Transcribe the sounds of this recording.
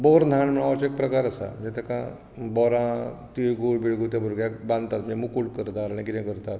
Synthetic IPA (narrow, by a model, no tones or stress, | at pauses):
bɔɾnʱãɳm̤əɭ̃aat͡sek̚pɾəkaɾəsa̰m̤ənd͡ʑet̪ɛkã | bɔɾãt̪iɭɡuːbiɽɡut̪̬jabəɾɡjakbãnd̪t̪at̪̚məd͡zemukuɽkəɾt̪aɾaɽ̃ĩkiɾɛ̃kəɾt̪at̪